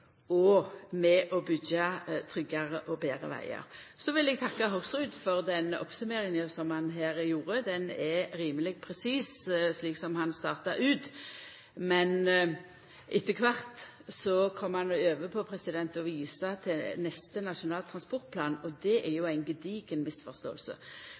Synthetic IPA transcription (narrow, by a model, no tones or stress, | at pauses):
ɔmɛʔɔbʏɡɑt̪ʰɾʏɡːɑʁəʔɔbeːɾə̰ʋæ̰ɪɑ̰ɾsɔʋɪlɛɡ̚t̪ʰɑkːɑɦɔsʁʉd̪fɔʁd̪ɛnɔ̰psʉmeːɾɪŋəsɔmhɑnɦæːɾjuːɾəd̪ɛnɛɾiːməlɪɡpʰɾɛsiːssliːksɔmhɑnst̪ɑːʁt̪ɑɾʉːt̪ | mɛn | ʔɪt̪ʰːəkʰʋɑʁt̪ | sɔkʰɔmːəhɑnɔøːʋəpʰɔpʰɾɛsɪd̪ɛnt̪ɔʋiːsɑt̪ʰɪnɛst̪ənɑʂʊnɑːlt̪ʰɾɑnspɔʁt̪̚pʰlɑːnɔd̪ɛʔɛɾjʊæɪnɡəd̪iːɡənmɪsfɔʁst̪o̰ːəlsə̰